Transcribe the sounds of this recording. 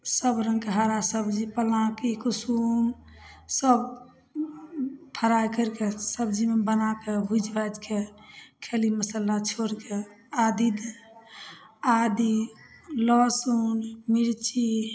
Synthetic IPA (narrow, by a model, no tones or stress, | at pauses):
səbɾə̃ŋɡkeɦaɾasəbd͡ʒipəlãkikusum | səb | p̪ʰəɾajkəɾkesəbd͡ʒimebənakebʱud͡ʒʱbad͡ʒkekʰeliməsəlat͡ʃʰoɾke | ad̪id̪ | ad̪i | lɔsunmiɾt͡ʃi